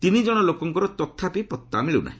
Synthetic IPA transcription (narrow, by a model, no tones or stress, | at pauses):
t̪inid͡ʒɔɽ̃ɔlokɔŋkɔɾɔt̪ɔt̪ʰːapipɔt̪ːa̰miɭuna̰ɦĩ